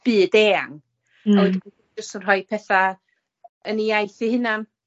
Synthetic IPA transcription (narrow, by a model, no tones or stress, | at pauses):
b̥ɨːdeːaŋ | awd | d͡ʒəstənrɔj̚pʰɛθa | əniajθihɨnam